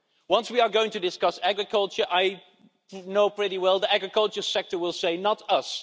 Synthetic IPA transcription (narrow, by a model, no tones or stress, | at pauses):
wʌ̃nswiə˞ɡoʊɪ̃ŋtudɪskʌsæɡɹɨkʰʌlˠt͡ʃə˞ʔaɪ | noʊpɹ̥ɪɾiwɛlˠðiæɡɹɨkʌlˠt͡ʃə˞sɛk̚tə˞wɪlˠseɪnətʌs